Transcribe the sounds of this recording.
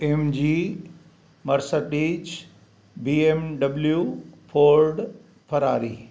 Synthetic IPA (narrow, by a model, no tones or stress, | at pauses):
emd͡ʑiː | mɐɾsəʈiːd͡ʒ | biːemɖɐbljupʰoːɾɖ | pʰɐɾaːɾiː